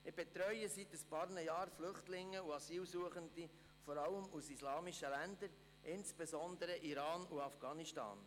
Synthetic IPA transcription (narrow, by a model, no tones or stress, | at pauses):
ɪb̥ɛt̪ɾœʏəsit̪əspɑːɾnəjɑːɾflʏχtlɪŋːəuɑsiːlsuəχənd̪i | fɔɾɑləmusislɑːmiʃəlænd̪əɾ | ʔɪnsb̥ezɔnd̪əɾəʔiɾɑːnuɑfɡ̥ɑːniʃtɑ̰ːn